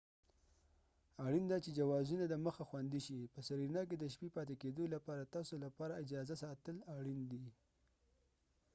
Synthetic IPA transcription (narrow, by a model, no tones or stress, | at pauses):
aɽind̪at͡ʃed͡ʒawɑzunad̪əməxaxwand̪iʃipəsaɾinɑk̬ed̪əʃpipɑt̪eked̪olapɑɾat̪ɑsolapɑɾaɪd͡ʒɑzasɑt̪əlaɽind̪i